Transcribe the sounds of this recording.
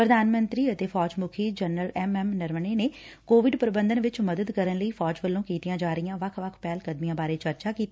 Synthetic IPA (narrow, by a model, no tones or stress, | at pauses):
pɾəd̪aːnmə̃nt̪ɾiːət̪eːfʰɔːd͡ʒmʊkʰiːd͡ʒənɾəlɛːmɛːmnɪɾməneːneːkoːʋɪɖpɾɪbə̃nd̪ənʋɪt͡ʃməd̪əd̪kəɾənləiːpʰɔːd͡ʒʋəlːõːkiːt̪ijãːd͡ʒaːɾəijãːʋəkʰʋəkʰpɛːlkəd̪mijãːbaːɾeːt͡ʃəɾt͡ʃaːkiːt̪iː